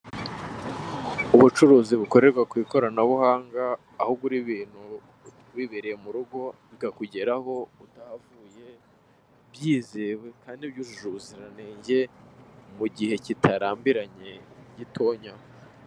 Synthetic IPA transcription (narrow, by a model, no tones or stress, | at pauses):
uβut͡ʃuɾuːziβuko̞ɾe̞ɾɡakwiːko̞ɾanaβuhaːŋɡaː | hubɡuɾiβiːn̥hu | βiβeɾejemuɾuɡo̞βiɡakuɟe̞ɾaho̞utahavuːje̞ | βjiːzewe̞kaːndibjuːʒuʒuziɾane̞ːɲɟe̞muɟihe̞citʰaɾaːmbiɾaɲe̞ɟitʰo̞ːɲa